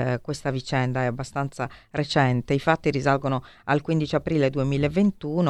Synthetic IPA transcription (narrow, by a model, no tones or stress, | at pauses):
kwest̪avit͡ʃɛnd̪aɛabːast̪ant̪saret͡ʃɛnt̪eifat̪ːiɾizalɡono | alkwind̪it͡ʃiapɾiːled̪uemiːleevːent̪uːno